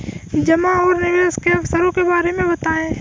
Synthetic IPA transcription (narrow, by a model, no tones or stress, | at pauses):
d͡ʒɐmaɔːɾnɪʋeːskeɐfsəɾõkebaːɾemẽbɐt̪aːẽː